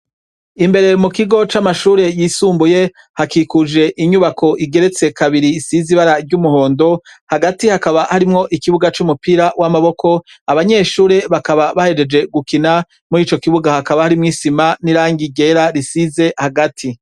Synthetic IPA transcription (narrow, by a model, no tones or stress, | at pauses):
imbe̞ɾe̞mukiɡo̞t͡ʃamaʃuːɾe̞jisuːmbuje̞ | hakikud͡ʒe̞ʔiɲuβakʰo̞ʔiɡe̞ɾe̞t͡se̞kʰaβiɾisiziβaɾaɾɟumuho̞ːndo̞haɡatihakaβahaɾimŋo̞ʔikiβuɡat͡ʃumupiːɾawʔamaβo̞kʰo̞aβaɲe̞ːʃuːɾe̞βakaβaβahe̞d͡ʒe̞d͡ʒe̞ɡukina | muɾiːt͡ʃo̞kiβuɡahakaβahaɾimŋiːsimaniɾaːŋɡiɟe̞ːɾaɾisize̞haɡatʰi